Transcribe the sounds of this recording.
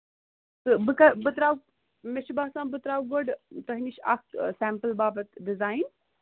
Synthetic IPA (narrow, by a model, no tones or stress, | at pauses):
tɨbɨkɐbɨt̪ɾaːw | meʃibaːsãːbɨt̪ɾaːwɡoɖt̪ɐɦiniʃa̰k̪̚sæːmpɨlbaːbɐt̪ɖizaːjn